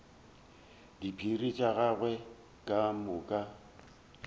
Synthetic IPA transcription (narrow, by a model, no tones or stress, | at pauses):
dipʰirit͡ʃʼaɣaɣwɛ | kʼamʊkʼa